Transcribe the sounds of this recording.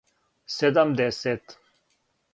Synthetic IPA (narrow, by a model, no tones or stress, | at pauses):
sed̪ɐmd̪eset̪